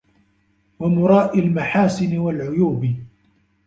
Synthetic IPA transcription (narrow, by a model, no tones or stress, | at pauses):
wamʊɾˤɑːʔalmaħaːsɪnɪwalʕʊjuːb